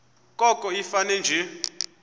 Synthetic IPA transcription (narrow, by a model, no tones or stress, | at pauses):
kʼɔkʼɔifanɛnd͡ʒʱɛ